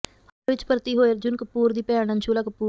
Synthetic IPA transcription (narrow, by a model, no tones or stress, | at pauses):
ɐʋɪt͡ʃpəɾt̪iɦoːjeɾd͡ʒʊnkɐpuːɾd̪ipɛːɐnɐ̃nt͡ʃʰuːlakɐpuː